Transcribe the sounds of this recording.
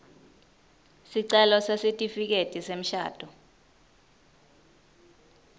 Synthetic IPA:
siǀɛlɔsesitʼifik̬etʼisem̩ʃa̰ːd̥ʼʱɔ

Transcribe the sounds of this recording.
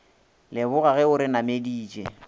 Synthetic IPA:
lɪbʊɣaɣɛʊɾɪnamediːt͡ʃʼḛ

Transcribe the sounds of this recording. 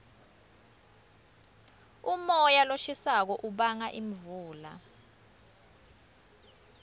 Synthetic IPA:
umɔjaloʃisak̬ɔʔuɓaŋaʔimvuːla̰

